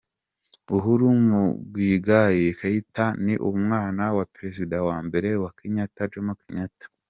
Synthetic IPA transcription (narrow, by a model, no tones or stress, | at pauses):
uɦuɾumubɡwiːɡajekaitaniʔumŋaːnawapɾezidawaːmbe̞ɾe̞wakiɲataɾd͡ʒomukiɲatḁ